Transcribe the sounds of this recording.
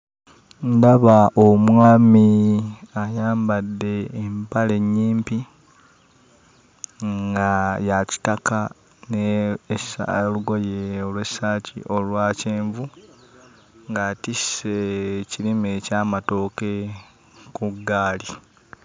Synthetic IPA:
ndaβaʔomwaːmi | ajaːmbadːe̞ːmpale̞ɲːiːmpi | ŋɡajaci̥taka | nesluɡo̞jeolwesaːcḭʔo̞lwaːceːɱvu | ŋɡatisecilimecaːmato̞ːke̞ | kuɡaːli

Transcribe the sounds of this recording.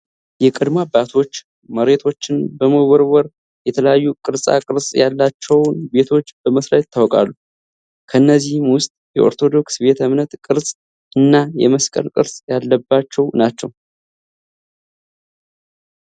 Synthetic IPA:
jɛkʼɨd̪mabat̪ʰo̞t͡ʃː | məɾe̞t̪ʰo̞t͡ʃːɪnbəməwɔɾwɔɾ | jɛt̪ʰələjajːukʼɨɾsʼa̰kʼɨɾsʼjalːat͡ʃːɛwnbe̞t̪ʰo̞t͡ʃːb̥əməsɾat̪ʰːawkʼa̰lːu | kʰəɨnːəzːihmwʊst̪ʼjɛʔo̞̰ɾt̪ʰo̞d̪o̞ksbe̞t̪ʰəmnət̪kʼɨɾsʼ | ɨnːajɛməskʼə̰ɾkʼɨ̰ɾsʼjalːəbːat͡ʃːɛwnat͡ʃːɛw

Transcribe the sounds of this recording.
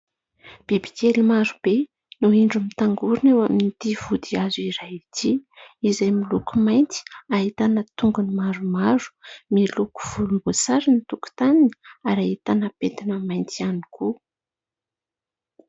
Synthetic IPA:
b̥ibi̥kelimaɾub̥e | nuiɳɖ͡ʐumit̪aŋɡuɾunewaminit̪iv̥ud̪iazuiɾajit̪ʰiizajmilukumajnt̪i̥aɦit̪anət̪uŋɡunimaɾumaɾu̥miluku̥v̥ulumbut͡saɾinit̪uku̥t̪anini̥aɾait̪anəpet̪inəmajnt̪ianiku

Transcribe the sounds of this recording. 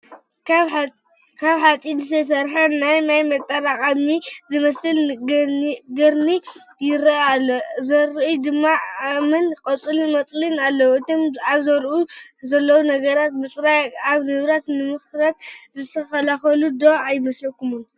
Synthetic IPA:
kʰaβħat͡sʼinzɨsʰɐs̬ɐɾħɐnajnajmɐt̪ʼːɐɾakʼɐmizɨmɐsɨl | ɡɨɾni | jɪɾɐazɐɾud̪ɨmːaamɐnkʼɐt͡sʼɨlmɐt͡s̪ʼlɨnalːɐwɨt̪ʰomaβzɐɾʔuzɐlːɐwunɐɡɐɾat̪̚bɨt͡sʼɾajaβnɨβɾat̪nɨmɨxɾɐt̪zɨt̪ʰɐxɐlaxɐlud̪oajɪmɐslɐkːumun

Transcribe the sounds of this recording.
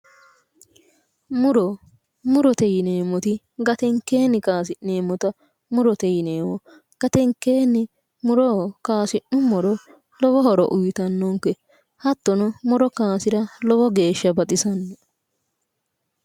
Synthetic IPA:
mʊɾɔ | mʊɾɔt̪ɛjɪneːmɔt̪ɪ | ɡɐt̪ɛŋkːe̞ːnːɪkaːsɪʔe̞ːmːɔt̪ɐ | mʊɾɔt̪ɛjɪneːmɔ | ɡ̥ɐt̪ɛŋkːe̞ːnːɪ | mʊɾɔkaːsɪʔnʊmɔɾɔ | lɔwɔhɔɾɔ̰ʔʊjt̪ɐnːɔŋkɛ | hɐt̪ːɔnɔmʊɾɔkaːsɪɾɐlɔwɔɡe̞ːʃːɐbɐt̪ʼɪsɐnːɔ

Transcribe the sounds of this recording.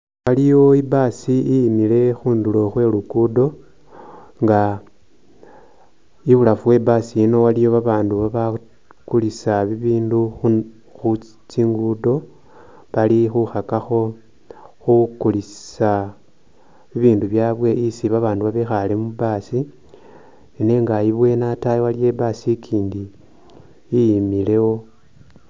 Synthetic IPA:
walijo̞ibaːsiijːmile̞xuːndulo̞xwe̞ːlukudo̞ | ŋɡa | iβulafuwe̞basiino̞walijo̞βaβaːnduβaβa | kulisaβiβiːndux | xu | t͡ʃiŋɡudo̞ | βalixuxakaxo̞ | xukulisa | βiβiːnduβjaːβwe̞ʔisiβaβaːnduβaβexalemubaːsi | ene̞ːŋɡajiβwe̞natajewalije̞basikʰiːndiː | jimile̞wo̞

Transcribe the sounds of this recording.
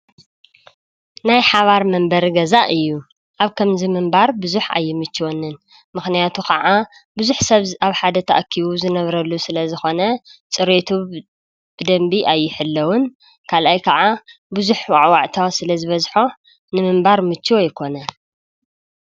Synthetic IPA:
najħaβaɾmɐmbɐɾɡɐzaʔɨjːu | ʔaβkʰɐmzimɨmbaɾbɨzuħa̰jːɪmɨt͡ʃːwonːɨn | mɨxnijat̪ʰukʰɐʕa | bɨzuħsɐβaβħad̪ɐt̪ʰɐʔkʰːiβuzɨnɐβɾɐlːusɨlɐzɨxo̞nɐt͡sʼɨɾet̪ʰu | b̥ɨd̪ɐmbiʔajːɪħɨlːɐwʊn | kʰalʔajkʰɐʕa | bɨzuħwaʕwaʕt̪ʰawsɨlɐzɨβɐzħo̞ | nɨmɨmbaɾmɨt͡ʃːwojɪkʰo̞nɐ

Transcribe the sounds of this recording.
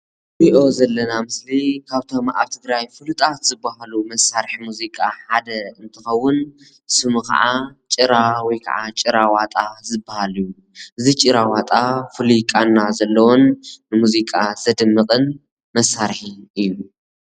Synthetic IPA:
biʔo̞zɐlːɐnamɨslikʰaβt̪ʰo̞mʔa̰βt̪ʰɨɡɾajfɨlut̪ʼat̪z̥ɨbːaɦalumɐsːaɾħimuzikʼaħad̪ɐɨnt̪ʰɨxɐwːʊn | sɨmukɐ̰ʕat͡ʃʼɨɾawɔjkʰa̰ʕat͡ʃʼɨɾawat̪ʼazɨbːahaliju | ʔɨzit͡ʃʼɨɾawat̪ʼafɨlikʼanːazɐlːɐwonːɨmuzikʼaz̥ɐd̪ɨmːɨqʼɨn | mɐsːaɾħiɨjːu

